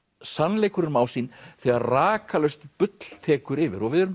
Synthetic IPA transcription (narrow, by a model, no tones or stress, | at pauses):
sanleːjkʏɾɪnmaːwsiːnθɛɣaɾraːkalœɥst̪pʏt̪l̥t̪ʰɛːkʏɾɪvɪ̰ɾɔvɪðʏɾʏm